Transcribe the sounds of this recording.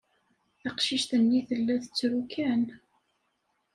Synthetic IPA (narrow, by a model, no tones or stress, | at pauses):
θɑqʃiʃt̪ənːiθəlːæθə̥t͡sːɾukæn